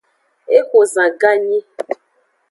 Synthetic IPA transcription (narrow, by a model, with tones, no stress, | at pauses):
e˦xo˨zã˨ɡa˦ɲĩ˦